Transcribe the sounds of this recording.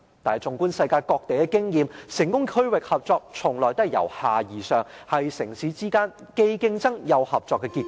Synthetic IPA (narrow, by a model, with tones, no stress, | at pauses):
t̪aː˨˩˨t͡sʊ˨˩ŋkuː˥nsɐ˧jkaː˧jkɔː˧k̚t̪e˨jkɛ˧kɪ˥ŋjiː˨˧msɪ˨˩ŋkʊ˥ŋkʰɵ˥ɥwɪ˨k̚hɐ˨p̚t͡sɔː˧k̚t͡sʰʊ˨˩ŋlɔː˨jt̪ɐ˥jɐ̰˨˩whaː˨jiː˨˩sœː˨˧ŋhɐ˨jsɪ˨˩ŋsiː˨˥t͡siː˥kaː˥nke˧jkɪ˥ŋt͡sɐ˥ŋjɐ˨˧whɐ˨p̚t͡sɔː˧kːɛ˧kiː˧t̚k